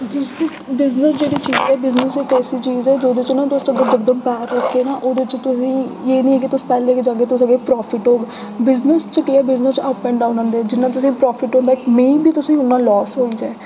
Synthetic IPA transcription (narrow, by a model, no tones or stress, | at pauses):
bɪzəsbɪznəsd͡ʒeːɽiːt͡ʃiːzɛːbɪznəsɪkɛːsiːt͡ʃiːzɛːd͡ʒoːd̪et͡ʃʊnãːt̪ʊsəɡeːd͡ʒək̚d̪əmpɛːɾːəkʰːeːnaːʔoːd̪et͡ʃt̪ʊsĩːeːnĩɛ̃ːk̬ɪt̪ʊsipɛːlẽːkd͡ʒaːɡeːt̪ʊsəɡeːpɾɔːpʰɪʈɦoːɡ | bɪznəst͡ʃəkɪɛːbɪznəsəppɛ̃ːɳɖaːʊnə̃ːnd̪eːɛːd͡ʒɪnːãːt̪ʊsĩːpɾɔːfʰɪʈɦõːnd̪aːkmẽːbʱiːt̪ʊsĩːʊnːãːlɔːsɦoːiːd͡ʒaːe